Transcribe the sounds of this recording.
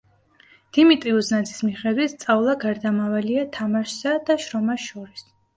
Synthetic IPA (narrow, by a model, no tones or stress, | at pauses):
d̪̥imit̪ʼɾiuznad̪zʰi̥smiχɛd̪wit̪ʰst̪sʼavlˠaɡaɾd̪amavaliat̪ʰamaʃsad̪aʃɾɔmaʃɔɾis